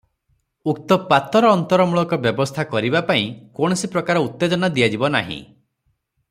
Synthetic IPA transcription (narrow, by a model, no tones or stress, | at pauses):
uk̚t̪ɔpat̪ɔɾɔːnt̪ɔɾɔmuɭɔkɔbjɔbɔst̪ʰakɔɾibapaĩkoɽ̃ɔsipɾɔkaɾɔut̪ːed͡ʒɔnad̪ijad͡ʒibɔna̰ɦḭ̃